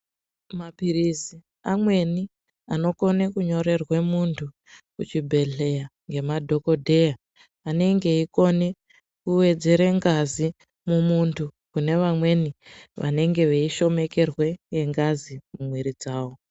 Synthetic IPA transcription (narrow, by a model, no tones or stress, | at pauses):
mapirizi | amwe̞ni | ano̞ko̞ne̞kuɲo̞ɾe̞rwe̞muntʰu | kut͡ʃibʱe̞ɬe̞jaŋɡe̞madʱo̞ko̞dʱe̞jaː | ne̞ŋɡe̞iko̞ne̞ | kuwe̞d͡ze̞ɾeŋɡazi | mumuntʰu | kune̞ʋamwe̞niʋa̰ne̞ŋɡe̞ʋeiʃo̞me̞ke̞rwe̞jeŋɡazimumweɾid͡zaːwo̞